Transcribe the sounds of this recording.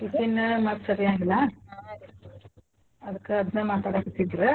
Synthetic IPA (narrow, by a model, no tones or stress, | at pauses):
ikenːmat̪sɐɾiaːɡilːɐ | ɐd̪ɐkːeɐd̪nemaːt̪aːɽakit̪ːid̪ɾe